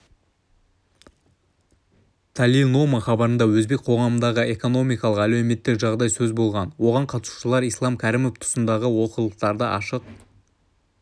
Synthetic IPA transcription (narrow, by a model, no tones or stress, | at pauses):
t̪ʰalino̞maχɑbɑɾənd̪ɑwɵzbe̞k̚qʰo̞ʁɑmənd̪ɑʁəe̞ko̞no̞mijkɑlˠəqælɵwme̞t̪ːɪkʒɑʁd̪ɑjsɵzbo̞lˠʁɑnwo̞ʁɑɴqʰɑt̪ə̥su̥ʃəlˠɑɾijslˠɑmkʲʰæɾɪmo̞ft̪ʰʊ̥sənd̪ɑʁəwo̞qəlˠəqt̪ɑɾd̪əʔɑ̰ʃəq̚